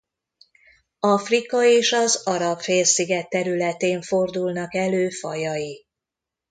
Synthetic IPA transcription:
ɒfrikɒeːʃɒzɒɾɒpfeːlsiɡɛt̪ːɛɾylɛt̪eːɱfo̞rd̪ulnɒkɛløːfɒ̰jɒji

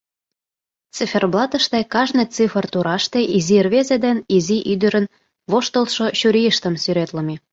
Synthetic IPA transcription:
t͡sifʲerblˠɑt̪ə̆ʃt̪ekɑʒnet͡sɨfərt̪uɾɑʃt̪eʔizirβezed̪eniziʔyd̪ə̆ɾən | βoʃt̪əlʃoɕuɾʲijəʃt̪ə̆msyɾet̪ləme

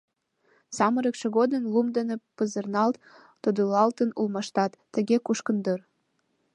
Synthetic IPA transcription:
sɑməɾəkʃĕɣod̪ənlumd̪ənepəzə̆rnɑlt̪ː | od̪ulɑlt̪ənulmɑʃt̪ɑt̪ːə̆ɣekuʃkə̆nd̪ɤr

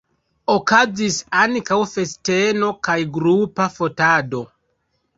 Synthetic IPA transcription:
okazisaŋkawfe̞ste̞no̞kajɡɾupafo̞tado̞

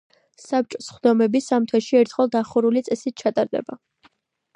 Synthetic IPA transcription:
sap̚t͡ʃʼɔsχd̪ɔmɛbisamt̪ʰwɛʃiɛɾt̪ʰχɛlˠd̪aχuɾulit̪sʼɛsit̪̚t͡ʃʰat̪ʼaɾd̪ɛ̰ba

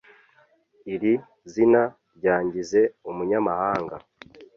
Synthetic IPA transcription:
iɾi | zina | ɾɟaːɲɟize̞umuɲamahaːŋɡa̰

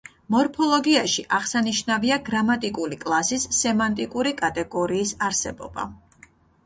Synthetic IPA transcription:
mɔɾpʰɔlˠɔɡiaʃiʔaʁsaniʃnaviaɡɾamat̪ʼikʼuɾikʼlˠasisːɛmant̪ʼikʼuɾikʼat̪ʼɛɡɔɾiːsaɾsɛbɔ̰ba̰

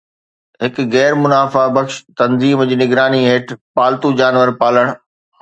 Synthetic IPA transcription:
ɦɪkɣɛːɾmʊnaːfabɐkʃt̪ɐnziːmd͡ʑiːnɪɡɾaːniɦeːʈʰpaːlt̪ud͡ʑaːnʋəɾpaːləɽ̃

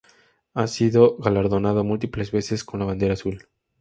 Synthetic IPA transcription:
asiðoɣalaɾðo̞nað̞omult̪iple̞zβe̞se̞sko̞nlaβ̞and̪e̞ɾaːsul

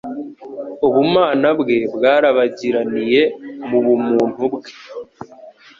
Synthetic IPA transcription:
uβumaːnabɡe̞bɡaːɾaβaɟiɾanije̞muβumuːn̥hubɡe̥

